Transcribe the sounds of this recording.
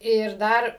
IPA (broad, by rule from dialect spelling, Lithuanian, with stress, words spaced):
ɪr ˈdɐr